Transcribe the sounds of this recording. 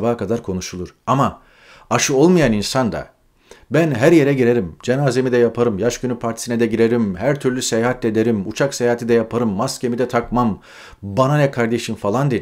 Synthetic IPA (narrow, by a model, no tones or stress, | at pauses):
baːkʰad̪aɾkʰo̞nuʃulˠuɾ̥ama | aʃɯo̞lˠmajaninsand̪a̰ | bænɦæɾje̞ɾɛɟiɾe̞ɾimd͡ʒe̞naːze̞mid̪ɛjapʰaɾɯmjaʃɟynypʰaɾt̪ʰi̥sinɛd̪ɛɟiɾe̞ɾimhæɾt̪ʰyɾlʲysejaːɦat̪ʰːʲed̪e̞ɾimut͡ʃʰaksejaɦat̪ʰid̪ɛjapʰaɾɯmːascʲe̞mid̪ɛt̪ʰakmam | bananɛkʰaɾd̪e̞ʃimfalˠand̪e